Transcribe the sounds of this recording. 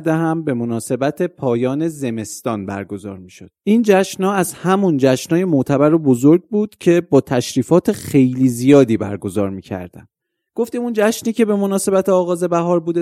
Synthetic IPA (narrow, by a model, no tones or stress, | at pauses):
d̪eɦæmbe̞mo̞nɒːse̞bæt̪ʰe̞pʰɒːjɒːne̞ze̞me̞st̪ɒːnbæ̰ɾɡo̞zɒ̰ːɾmiːʃo̞d̪̥ʔind͡ʒæʃnɒːæzhæmund͡ʒæʃnɒːje̞moʔt̪ʰæbæɾobo̞zoɾɡ̚buːd̪̥cʰe̞bɒːt̪ʰæʃɾiːfɒːt̪ʰe̞xe̞jliːzijɒːd̪iːbæ̰ɾɡo̞zɒːɾmiːcʰæ̰ɾd̪̥æ̰m | ɡ̥o̞ft̪imund͡ʒæʃniːcʰe̞be̞mo̞nɒːse̞bæt̪ʰeɒːɣɒːze̞bæɦɒːɾbuːd̪e